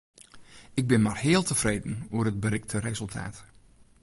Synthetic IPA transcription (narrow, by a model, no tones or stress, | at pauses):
ɪɡ̚bɪnmarhɪːəlˠtəfrejdən̩uərəd̚bəɾɪk̚tʰərezɵlˠtʰa̰ːt